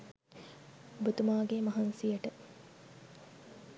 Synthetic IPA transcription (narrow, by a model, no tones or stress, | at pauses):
obət̪umaːɡemɐɦansijəʈə